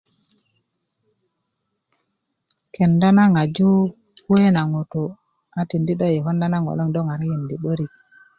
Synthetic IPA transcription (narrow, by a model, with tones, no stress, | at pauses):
kʰe˨nda˦na˦ŋa˨d͡ʒu˦ | we˦na˨ŋo˨to˨ | a˨ti˨ndi˦ɗo˦je˨ho˦nda˦na˦ŋo̰˨lo˦ŋdo˦ŋa˨ɾi˦ji˨ndi˨ɓə˦ɾi˨